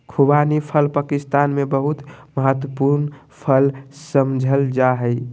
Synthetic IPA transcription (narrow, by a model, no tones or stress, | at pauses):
kʰubanipʰəlpaːkɪst̪aːnmẽbəɦut̪məɦət̪wəpuɾn | pʰəlsəmd͡ʒʱəld͡ʒaɦəɪ